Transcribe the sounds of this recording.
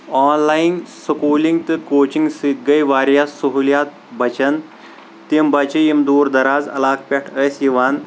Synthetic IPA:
aːnlajinsɐkuːliŋɡt̪ɨkoːt͡ʃiŋɡsiɡɐjʋaːɾjaːsuɦuljaːt̪̚ | bɐt͡ʃɐn | t̪imbɐt͡ʃijimd̪uːɾd̪ɐɾaːzɐ̰laːkʰpʲeʈʰəsjiʋaːn

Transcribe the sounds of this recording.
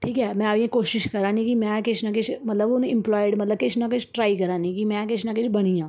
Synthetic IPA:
ʈʰiːkɦɛːmɛ̃aʋẽkoːʃɪʃkɐɾãːnĩkimɛ̃kɪt͡ʃʰnakɪt͡ʃʰmɐt̪ləbʊnɪ̃mplɔːɪɖmɐt̪ləb̚kɪt͡ʃʰnak̬ɪt͡ʃʰʈɾaːikɐɾãːnikimɛ̃kɪt͡ʃʰnakɪt͡ʃʰbɐɽ̃ijãː

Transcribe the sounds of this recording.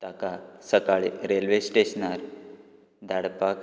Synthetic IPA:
t̪akasəkaɭiɾelʋesʈeɕnaɾ | d̪ʱaɽpak

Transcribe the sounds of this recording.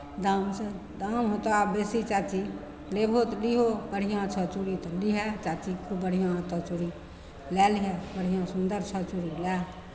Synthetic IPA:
d̪amsə | d̪amɦot̪oabesit͡ʃat͡ʃi | lebʱot̪liɦobəɽ̤ijãt͡ʃʰət͡ʃuɾit̪ɔliɦɛt͡ʃat͡ʃikʰubəɽ̤ijãt̪ɔt͡ʃuɽi | lɛliɦɛbəɽ̤ijãsund̪əɾt͡ʃʰət͡ʃuɾilɛ

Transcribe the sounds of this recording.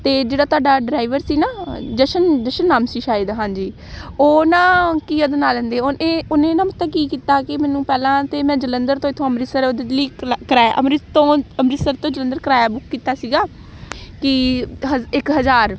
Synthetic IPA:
t̪eːd͡ʒeːɽaːt̪ʊaːɖaːɖɾaːiʋəɾsiːnaːd͡ʒəʃənd͡ʒəʃənːaːmsiːʃaːɪd̪ɦãːɲd͡ʒiː | oːnãːkiːod̪enaːlənd̪eːoːnʔẽːoːnẽːnãːmʊt̪ːaːkiːkiːt̪aːkɪmɛ̃ːnũːpɛːlãːt̪eːmɛ̃ːd͡ʒələnd̪əɾt̪õːɪt̪ʰːõːəmɾɪsəɾoːd̪eːliːkɾaːʔə̰mɾɪt̪õːəmɾɪsəɾt̪õːd͡ʒələ̃nd̪əɾkəɾaːjaːbʊkʰkiːt̪aːsiːɡaː | kɪɦəɪkɦəzaːɾ

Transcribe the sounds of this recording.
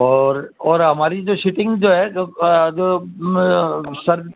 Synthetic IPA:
ɔːɾɔːɾɦɐmaːɾid͡ʒoʃʊʈɪ̃ŋɡd͡ʒoːɦɛd͡ʒoː | sɐɾ

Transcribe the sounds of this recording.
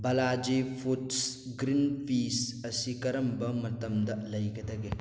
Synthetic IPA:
bɐlad͡ʒipʰuts | ɡɾinpʰisɐsikɐɾɐmbɐmɐt̪ɐmd̪ɐlɐjɡɐd̪ɐɡe

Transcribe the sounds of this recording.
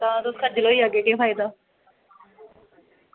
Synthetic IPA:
t̪ãːt̪oskʰad͡ʒɪloːiaːɡeːkẽpʰaːid̪aː

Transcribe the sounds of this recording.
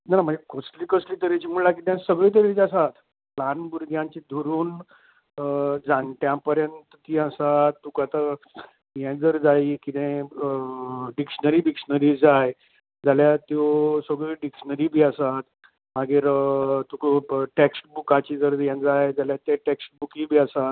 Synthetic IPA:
nanam̤ə̃ɳd͡ʑekɔsʈliːkəsliːt̪əɾet͡ɕimuɭlakit̪jãsəɡɭiːt̪̬əɾet͡ɕasat̪ | planbuɾɡʱjãɲt͡ɕid̪ʱoɾuːn | əd͡zãɳʈjãpəɾjənt̪ət̪iːasat̪ːukat̪a | jɛ̃d͡zəɾd͡zaiːkit̪ẽ | ɖikʂənəɾiɖikʂənəɾiːd͡zaj | d͡zaljat̪josəɡɭiɖikʂənəɾibʱiːasat̪ | maɡiːɾt̪ukʈeksʈbukat͡ɕid͡zəɾjɛ̃d͡zajd͡zaljat̪eʈeksʈ̚bukibʱiːasat̪̚

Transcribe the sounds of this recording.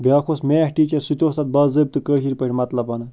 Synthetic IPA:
bʲaːkʰosmehʈiːt͡ʃɐɾsit̪ost̪at̪̚baːzəb̚t̪ɨkəːɕiɾpəʈʲmɐt̪lɐpɐnɐ

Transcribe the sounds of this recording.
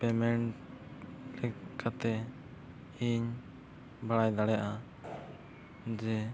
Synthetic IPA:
pɛmɛɳʈ | lɛkʰat̪ɛ | iɲ | baɽajd̪aɽɛjaʔa | d͡ʒɛ

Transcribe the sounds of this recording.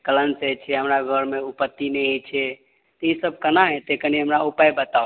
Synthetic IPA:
kələnset͡ʃʰɛɦəmɾaɡʱəɾmeupət̪ːinɛet͡ʃʰɛ | t̪ɔisəb̚ʱkənaɦẽt̪ekəniɦəmɾaupajbət̪ao

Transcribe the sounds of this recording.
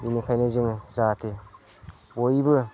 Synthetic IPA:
inikʰajnɯzɯŋzatʰe | bojbɯ

